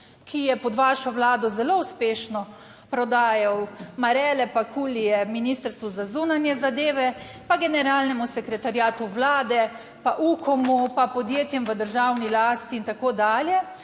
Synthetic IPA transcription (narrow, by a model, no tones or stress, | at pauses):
kʰijɛpɔd̪ʋaːʃɔʋlaːd̪ɔzɛlouspeːʃnɔ | pɾɔd̪aːjawmaɾɛlɛpakʰuːlijɛminist̪əɾst̪ʋuzazuːnanjɛzad̪eːʋɛ | paɡɛnɛɾaːlnɛmusɛkɾɛt̪aɾjaːt̪uʋlaːd̪ɛ | paʔukɔmupapɔd̪jeːt̪jɛmʋəd̪əɾʒawnilaːst̪iːnt̪akoːd̪aːljɛ